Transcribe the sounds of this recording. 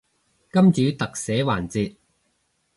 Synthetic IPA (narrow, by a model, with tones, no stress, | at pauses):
kɐ˥mt͡ʃyː˨˥t̪ɐ˨k̚sɛː˨˥waː˨˩nt͡siː˧t̚